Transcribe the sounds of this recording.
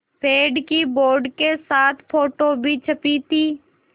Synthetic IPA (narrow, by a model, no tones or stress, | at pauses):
pʰeːɖkiboːɾɖkesaːt̪ʰpʰoːʈobʱit͡ʃʰəpit̪ʰiː